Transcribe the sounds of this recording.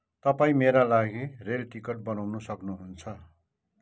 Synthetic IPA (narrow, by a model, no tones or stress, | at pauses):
t̪ʌpaĩmeɾalaɡirelʈikʌʈ̚bʌnawnusʌknuɦunt͡sʰʌ